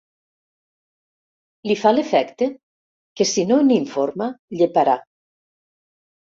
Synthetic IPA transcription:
lifalefɛkt̪e | kesinoniɱfoɾmaʎepaɾa

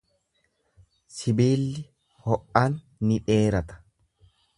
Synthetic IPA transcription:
sɪbiːlːɪ | hɔʔːanː | ɪᶑe̞ːɾɐt̪ɐ̥

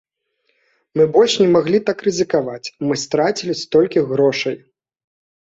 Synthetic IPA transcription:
mɨbɔlʲʂnʲɛmaɣlʲit̪akrɨzʲɨkavat͡sʲmɨst̪ɾat͡sʲilʲist̪ɔlʲkʲiɣɾɔʂɐj

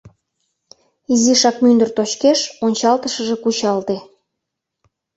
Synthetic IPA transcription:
iziʃɑkmynd̪ə̆rt̪ot͡ɕkeʃonʲt͡ɕɑlt̪əʃəʒekut͡ɕɑlt̪e

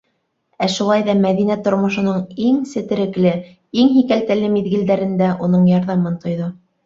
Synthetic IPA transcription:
æʃulˠɑjðɑmæðinæt̪ŏɾmŏʃɤ̆nɤɴiŋsɘ̆t̪ɘ̆ɾɘ̆klɘ | iŋɦikælt̪ælɘmiðɡɘ̆ld̪æɾɘ̆nd̪æʔunɤɴjɑɾðɑmɤnt̪ŏjðo

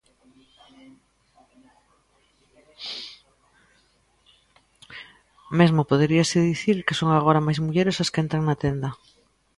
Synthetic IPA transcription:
mezmopoðeɾiasɪðiθiɾkesoŋaɣoɾamajzmuʎeɾesaskent̪ɾaŋnat̪end̪ɐ

